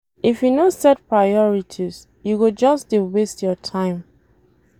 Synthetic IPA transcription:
ifjunosɛt̚pɹajɔɹitʰiz | juɡod͡ʒɔsdewestjɔtʰãɪ̃m

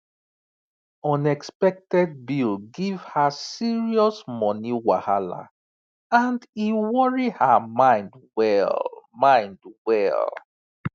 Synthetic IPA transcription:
ɔ̃nɛkspɛk̚tɛd̚bilɡivhasiɹiɔsmɔniwahala̰ | ãndiwɔɹihamãɪ̃ndwɛlmãɪ̃ndwɛ̰l

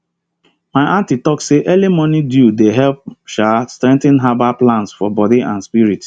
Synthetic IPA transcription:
maɪʔãntitɔkseʔɛlimɔnidjudeɦɛp̚ʃastɾɛ̃ŋtɪ̃nɦabaplãnsfɔbɔdiʔã̰nspiɹit

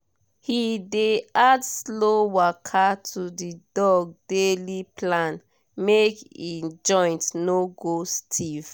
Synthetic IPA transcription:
hideadslowakʰatʰudidɔɡ̚deliplãn | mekid͡ʒɔ̃ɪ̃ntnoɡostʰiv̥

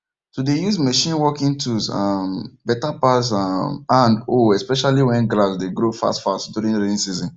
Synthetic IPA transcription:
sodejuzməʃĩnwɔkĩŋtʰuzãmbɛtapas̬amãndoɛspɛʃaliwɛ̃nɡlasdeɡɾofa̰stfastduɾĩnɾiĩnsizɔ̃n

